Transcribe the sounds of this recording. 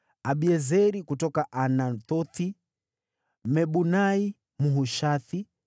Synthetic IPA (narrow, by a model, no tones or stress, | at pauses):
aɓiɛzɛɾikutɔkaʔanant̪ɔti | mɛɓunai | muɦuʃaθi